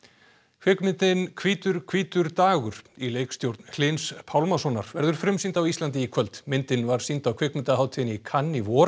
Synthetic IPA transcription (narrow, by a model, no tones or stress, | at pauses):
kʰvɪkmɪnt̪ɪnkʰviːt̪ʏɾ̥kʰviːt̪ʏɾt̪aːɣʏɾ̥ileːjkst̪jowɾt̪nhl̥ɪnspʰawlmasɔna̰ɾvɛɾðʏɾ̥fɾʏmsint̪awistlant̪̬ɪikʰvœlt̪mɪnt̪ɪnvaɾ̥sint̪awkʰvɪːkmɪnt̪aɦaːwt̪ʰɪnikʰanːivɔːɾ